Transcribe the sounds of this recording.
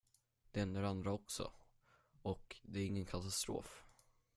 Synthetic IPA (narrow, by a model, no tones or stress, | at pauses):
d̪̥ɛɛnd̪əɾand̪ɾaɔksɔ̰ | ɔkd̪ɛæɾɪŋːənkʰat̪ast̪ɾo̰ːf